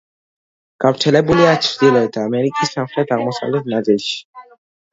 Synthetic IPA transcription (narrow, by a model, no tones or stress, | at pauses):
ɡ̥avɾt̪sʰɛlɛbuliat͡ʃʰɾd̪ilɛd̪aːmɛɾikʼisːamχɾɛt̪ʰaʁmɔsa̰vlɛt̪̚ʰnad̪zilʃi̥